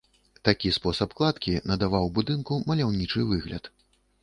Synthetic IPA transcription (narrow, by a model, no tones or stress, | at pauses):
t̪akʲispɔsɐpklˠat̪kʲinɐd̪avawbud̪ɨnkumɐlʲawnʲit͡ʂɨvɨɣlʲɐ̰t̪